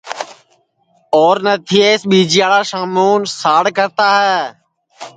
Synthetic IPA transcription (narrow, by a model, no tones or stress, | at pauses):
oːɾnət̪ʰiːeːsɓiːd͡ʒɪjaːɭaːʃaːmoːnsaːɽkəɾt̪aːɦɛː